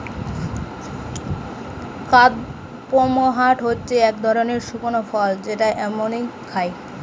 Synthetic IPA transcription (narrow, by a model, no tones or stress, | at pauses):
kad̪ | pomoɦaʈɦotːɕʰeɛk̚d̪ʱɔɾoneɾʃukonofɔld͡ʑeʈaʔɛmonijkʰaj